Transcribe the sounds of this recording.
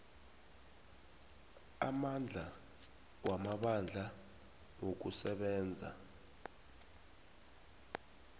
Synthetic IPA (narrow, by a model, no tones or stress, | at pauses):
a̰mand͡ɮʱa | wamaɓand͡ɮʱa | ŋok̬usɛɓɛːnd͡zʱa̰